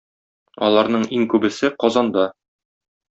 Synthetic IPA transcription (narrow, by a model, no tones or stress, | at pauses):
ɒ̰lˠɑɾnɤɴiŋkʉbɘ̆sɘqɒzɑnd̪ɑ